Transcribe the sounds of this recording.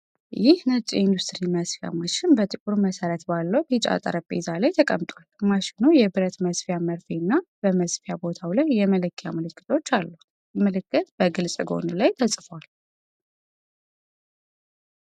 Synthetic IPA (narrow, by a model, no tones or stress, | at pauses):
jɪhnət͡ʃʼḭnd̪ust̪ʼɨɾiməsfja̰maʃɪnbət̪ʼɨkʼuɾuməsəɾət̪balːəwtit͡ʃʼa̰t̪ʼə̰ɾəbʼḛzalajt̪ʰəkʼə̰mt̪ʼwalmaʃɪnujɛbɨɾət̪məsfijaməɾfinːabəməsfjabo̞t̪ʰawlajːɛməlɨkʰːjaməlɨkːɨ̥t̪ʰo̞t͡ʃːalːu | məlɨkːɨt̪b̥əɡɨlsʼɨɡo̞̰nɨlajt̪ʰəsʼfwal